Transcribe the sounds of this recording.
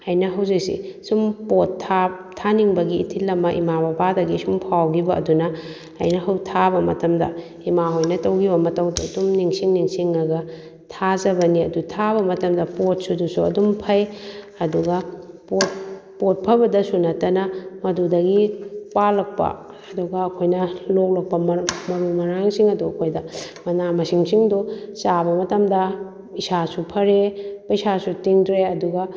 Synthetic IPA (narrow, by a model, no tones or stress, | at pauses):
ɐjnɐɦɐwzik̚sḭsumpotʰːa | aniŋbɐɡiːtʰilːɐmɐʔḭmabɐbadɐɡisumpʰawɡibɐʔɐ̰dunɐ | ɐ̰jnɐɦɐwtʰabɐmɐtɐmdɐ̰ | imaɦojnɐtɐwɡibɐmɐtɐwdɐdumniŋsiŋniŋsiŋɐɡɐ | tʰazɐbɐniɐdutʰaβɐmɐtɐmdɐpot̚sudusuɐ̰dumpʰɐj | ɐduɡɐ | pot̚pot̚pʰɐbɐdɐsunɐtɐnɐmɐdudɐɡipalɐk̚pɐ̰ | ɐduɡɐːkʰojnɐlok̚lɐk̚pɐmmɐɾumɐɾaŋsiŋɐduɐkʰojdɐmɐnamɐsiŋsiŋdusabɐmɐtɐmdɐ | isasupʰɐɾepɐjsasutiŋdɾeɐduɡɐ